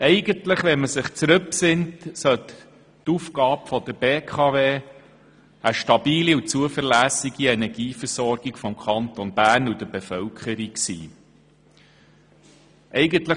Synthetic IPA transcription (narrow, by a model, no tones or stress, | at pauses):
ɛɪɡəntləχʋɛnməsɪχt͡sɾɵpsɪntsœt̪ | tufkɑːbfɔd̪əɾb̥eːkʰɑveː | əʃtɑbiːliut͡suəfəɾlæsiɡ̥iɛnɛɾɡiːfəɾsɔɾɡ̥ikfɔmkʰɑnt̪ɔnb̥æːnud̥̪əbefœwkχəɾiksḭː | ʔɛɪɡəntlə